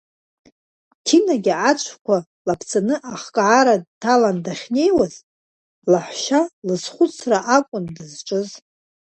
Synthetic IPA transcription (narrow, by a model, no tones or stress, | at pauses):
tʰinaɡʲiat͡ʃʷʰkʷʰa | lapʰt͡sʰanɨʔaχkʼʕaɾadtʰalandaχʲne̞jwaz | laħʷʃalɨsχʷʊt͡sʰraʔakʷʼʊndɨzʈ͡ʂʼɨz